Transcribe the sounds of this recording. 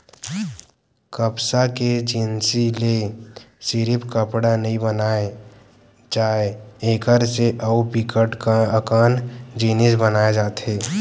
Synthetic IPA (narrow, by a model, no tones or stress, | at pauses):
kəpsaked͡ʒɪnsilesɪɾɪpkəpɽanɐɦĩbənaːe | d͡ʒaːeeːkəɾseʔɐupikəʈkkaːnd͡ʒiːnɪsbənaːed͡ʒaːt̪ɦeː